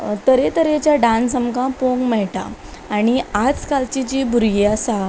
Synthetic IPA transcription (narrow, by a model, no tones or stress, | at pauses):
t̪əɾet̪əɾet͡ɕjaɖãnsəmɡãpoŋɡmɛɭʈa̰aɽ̃iad͡zkalt͡ɕid͡ʑiːbʱuɾɡiasa